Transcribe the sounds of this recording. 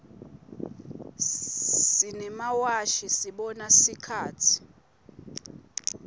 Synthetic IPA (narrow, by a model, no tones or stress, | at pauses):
sinɛmawaʃisiɓɔnasikʰaːtʰi̥